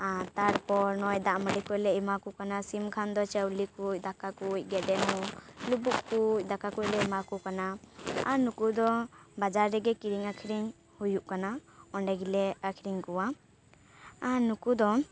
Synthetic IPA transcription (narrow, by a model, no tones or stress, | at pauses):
t̪aɽpɔɾnɔjd̪aʔməɽikuclɛimakukanasimkʰand̪ɔt͡ʃəwlikuc̚ˀd̪akakuc̚ɡɛɖɛnɔlubuʔkuc̚ˀd̪akakuc̚lɛimakukanaːɾnukud̪ɔbad͡ʒaɾːɛɡɛkiɾiŋakʰiɾiŋ | hujuʔkanaɔɳɖɛɡilɛakʰiɾiŋkuwa | ɾnukud̪ɔ